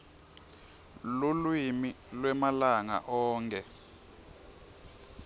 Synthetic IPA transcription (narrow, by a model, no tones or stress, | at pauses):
lulwimilwɛmalaŋa̰ʔɔːŋkʰʼɛ